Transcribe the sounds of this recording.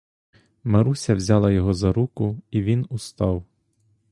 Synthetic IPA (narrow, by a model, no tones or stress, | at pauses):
mɐɾusʲɐwzʲɑlˠɐjɔɦɔzɐɾukʊiʋʲinʊst̪ɑw